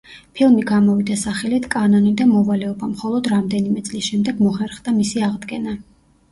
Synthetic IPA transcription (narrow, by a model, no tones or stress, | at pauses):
pʰilˠmiɡamɔvid̪asaχɛlit̪ʰkʼanɔnid̪amɔvalɛɔbamχɔlˠɔd̪ɾamd̪ɛnimɛt̪sʼlisʃɛmd̪ɛɡmɔχɛɾχd̪amisiaʁd̪ɡɛna